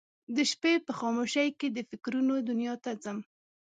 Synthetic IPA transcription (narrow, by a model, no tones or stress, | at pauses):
d̪əʃpepəxɑmoʃajked̪əfɪkɾunod̪ʊnjɑt̪ad͡zəm